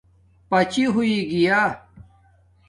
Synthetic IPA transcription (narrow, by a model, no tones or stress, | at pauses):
pɐt͡ɕiɦuiɡijaː